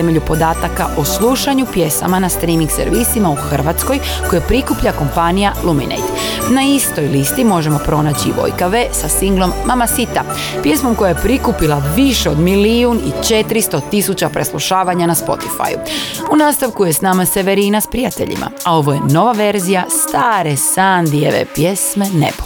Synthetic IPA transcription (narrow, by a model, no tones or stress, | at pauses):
eme̞ʎupo̞d̪aːt̪akaʔoslˠuʃaɲupje̞sa̰manast̪ɾiːmiŋɡsḛɾʋisimauxr̩ʋat̪sko̞j | ko̞jepɾikupʎako̞mpanijalˠumḭnḛjd̪ | naist̪o̞jlist̪imo̞ʒe̞mo̞pɾo̞naːt͡ɕiʋo̞̰jkaʋe̞sasiŋɡlˠo̞mːamasit̪a | pje̞smo̞mko̞jajepɾikupilˠaʋiʃeo̞d̪miliunḭt͡ʃe̞t̪ɾist̪o̞t̪isut͡ɕapɾe̞slˠuʃaːʋaɲanaspo̞̰t̪i̥fa̰jṵunaːst̪aʋkuje̞snaːmase̞ʋe̞ɾiːnaspɾijat̪eʎḭmʔa̰ao̞ʋo̞je̞no̞ʋaʋe̞ɾzijast̪aːɾe̞saːnd̪ijeʋḛpje̞sme̞nḛbo